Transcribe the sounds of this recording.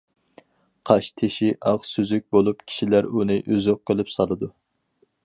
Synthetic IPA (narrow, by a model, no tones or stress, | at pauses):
qʰɑʃt̪ʰeʃiʔɑʁsyzyk̚ʲbolˠupkʲʰi̥ʃilæɾunɨʔyzøqːølypsɑlˠɨd̪u